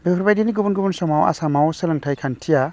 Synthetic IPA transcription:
bekʰɾbajdiniɡubunɡubunsɔmawa̰samawsɯlɯŋtʰajkʰantʰija

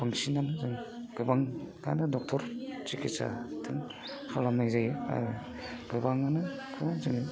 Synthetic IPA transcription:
baŋsinanzɯŋɡ̥ɯbaŋɡa̰nɯdɔk̚tʰɔɾt͡ʃikisa̰tʰɯŋ | halamnajzaja̰ | ɡ̥ɯbaŋanɯkʰɯnazɯŋ

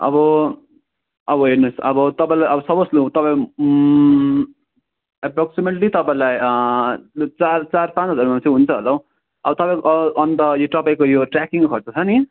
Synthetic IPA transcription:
ʌ̰bʌ | ʌbʌɦeɾnosʌbʌt̪ʌpãĩlajʌbʌsʌbʌslut̪ʌpãĩ | epɾoksimeʈlit̪ʌpaĩlaj | t͡sart͡sarpãt͡sʌd͡zʌɾmant͡sʰiɦunt͡sʰʌɦʌlʌw | ʌbʌt̪ʌpãj̃koʔʌʔʌnt̪ʌjoʈ̪ʌpaj̃kojoʈrakiŋkokʰʌrt͡sʰʌt͡sʰʌni

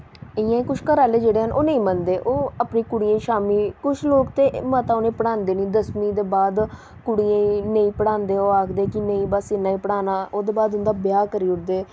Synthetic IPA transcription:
ɪjãːĩkʊt͡ʃʰkəɾaːleːd͡ʒeːɽeːɦənʔoːnəĩːmənd̪eːʔoːapniːkʊɽijãːʃaːmiːkʊt͡ʃʰloːkt̪eːmət̪ãːoːnẽːpəɽãːnd̪eːnĩːd̪əsmĩːd̪eːbaːd̪ | kʊɽijãːinəĩːpəɽaːnd̪eːoːaːkʰd̪eːkɪnəĩːbəsɪnaːĩːpəɽaːnaːʔoːd̪eːbaːd̪ɦʊ̃nd̪aːbɪjaːkəɾiːʊʈd̪eː

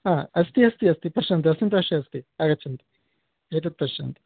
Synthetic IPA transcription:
aːɐst̪iɐst̪iɐst̪ipɐʃɐnt̪̬iɐs̬t̪int̪ɐʃiɐst̪iaɡɐt͡ʃːɐnt̪i̥ | et̪ɐt̪̚pɐʃɐnt̪i̥

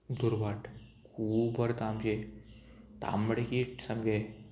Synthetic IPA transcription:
d̪uɾbaʈkʰuːbəɾt̪amd͡ʑe | t̪a̰məɽekiːʈsəmɡe

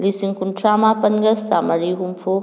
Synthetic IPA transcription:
lisiŋkuntʰɾamapɐnɡɐsamɐɾiɦumpʰo

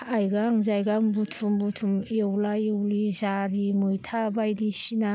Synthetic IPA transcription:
ajɡaŋzajɡambutʰumbutʰumewlajewlizaɾimujtʰabajdisina

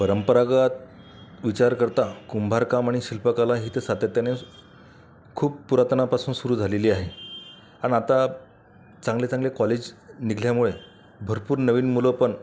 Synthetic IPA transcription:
pəɾəmpəɾaɡat̪̚ | ʋit͡ɕaɾkəɾt̪akumbʱaɾkamaɽ̃iɕilpəkalaɦiːt̪esat̪jat̪jane | kʰuːppuɾat̪ənapasuːnsuɾuːd͡zʱaleliːaɦe | aɽ̃iat̪a | t͡sãŋɡlet͡sãŋɡlekɔled͡ʑniɡʱljamuɭe | bʱəɾpuːɾnəʋiːnmuləpəɳ

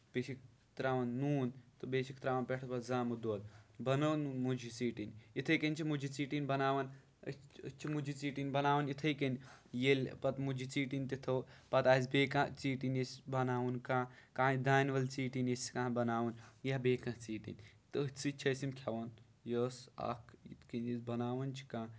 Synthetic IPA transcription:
pet͡ʃʰik | t̪ɾaːʋɐnːuːnt̪ɨbeːt͡ʃʰikt̪ɾaːʋɐnpʲeʈʰɐpɐt̪zaːmud̪oːd̪̚bɐnɐnunmud͡ʒit͡siːʈinit̪ʰɐjkɐnt͡ʃʰimud͡ʒit͡siːʈinbɐnaːʋɐn̰ | t͡ʃʰimud͡ʒit͡siːʈinbɐnaːʋɐnit̪ʰɐjkɐnjelʲpɐt̪mud͡ʒit͡siːʈint̪it̪ʰɐpɐt̪aːzbeːkãt͡siːʈinisbɐnaːwunkãːkãːid̪aːnʋɐlt͡siːʈineskãːbɐnaːwunjabeːkɐ̃t͡siːʈḭnʲt̪ət͡sɨt͡ʃʰɐsimkʰʲɐʋɐn | jəsɐ̰kʰḭt̪kinizbɐnaːʋɐnt͡ʃʰi̥kãː

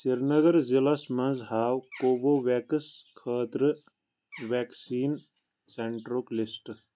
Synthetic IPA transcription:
t͡ʃiɾnɐɡəɾzilɐsmɐ̃nzɦaːwkoːboːʋeːkəskʰəːt̪ɾɨ | ʋeːksiːn | seɳʈɾoːklisʈ

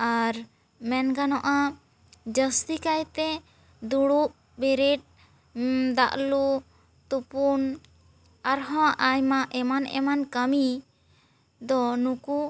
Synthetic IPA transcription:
aɾ | mɛnɡanɔʔa | d͡ʒəst̪ikajt̪ɛ | d̪uɽup̚ | bɛɾeʈ̚ | d̪a̰ʔlu | t̪upun | aɾɦɔ̃ʔajmaʔɛmanɛ̰mankəmi | d̪ɔnuku

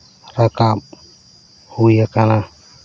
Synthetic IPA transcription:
rakap | hujakala

